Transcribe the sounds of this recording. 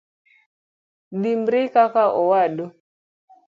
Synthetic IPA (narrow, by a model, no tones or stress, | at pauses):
dimbɾikakaʔɔwaɗɔ